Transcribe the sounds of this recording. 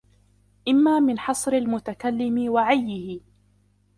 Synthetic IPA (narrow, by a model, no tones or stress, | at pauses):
ʔɪmːaːmɪnħɑsˤɾɪlmʊt̪akalːɪmɪwaʕajːɪhɪ